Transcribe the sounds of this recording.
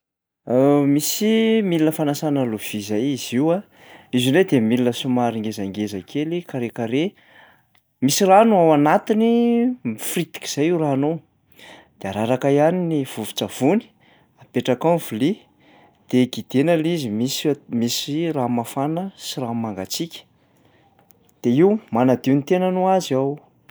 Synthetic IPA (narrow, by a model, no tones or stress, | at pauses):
misimilinəfanasanaluv̥izajiziwa | izined̪emilinəsumaɾiŋɡezaŋɡezakʰelikaɾekaɾe | misiranuawanat̪inimifrit̪i̥ki̥z̥ajiwraːnow | d̪̥eaɾaɾakajaniniv̥uvi̥t͡sav̥uni̥ | apeʈ͡ʂakanv̥uli | d̪̥eɡid̪̥enalizimismisiramafanəsiramaŋɡat͡sikʲə̥ | d̪̥eiwmanad̪iunit̪enənuazaw